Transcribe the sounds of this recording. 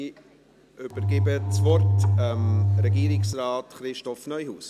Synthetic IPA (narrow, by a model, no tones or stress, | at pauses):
ʏb̥əɾɡɪbət͡svɔrtɛmɾɛɡiːɾɪksrɑːtχɾɪʃtɔfnœʏhuːs